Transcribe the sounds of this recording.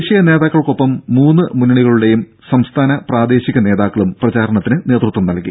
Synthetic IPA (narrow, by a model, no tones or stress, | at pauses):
ɕijɐne̞ːðaːkːɐɭko̞pːɐmːuːnːɨmunːiɭiɣɐɭuɽe̞jum | sɐmst̪ʰaːnɐpraːd̪e̞ːɕiɣʲɐne̞ːðaːkːɐɭumprɐt͡ɕaːɾɐɳɐt̪ːinɨne̞ːt̪rut̪ːʋuɐmnɐlkːḭ